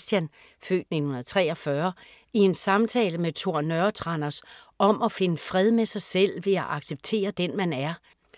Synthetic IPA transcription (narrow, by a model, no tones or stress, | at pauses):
sd̥jæn | fø̰ːd̥ne̝dn̩hunɐð̩ˠt͡sʰʁɛːɒ̽fɶɐ | ie̝nsɑ̈mt͡sʰɛːləmet͡sʰo̝ɐ̰nɶɐt͡sʰʁɑnɐs | ɒ̽mʔɒfe̝nəfʁɛð̞ˠmesɑ̈ɪsel̰ʋe̝æʔɑ̈ɡ̥seb̥̚t͡sʰe̝̰ːɐd̥enmænæɐ